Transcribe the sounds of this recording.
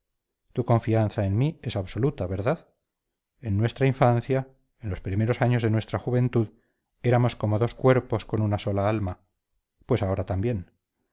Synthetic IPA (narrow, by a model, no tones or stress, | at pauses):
t̪uko̞ɱfianθae̞nmie̞saβso̞lut̪aβe̞ɾðað | e̞nːwe̞st̪ɾaiɱfanθja | enlo̞spɾime̞ɾo̞saɲo̞zðenwe̞st̪ɾaxuβẽ̞nt̪uð | e̞ɾamo̞sko̞mo̞ðo̞skwe̞ɾpo̞sko̞nunaso̞laalma | pwe̞saoɾat̪ambje̞n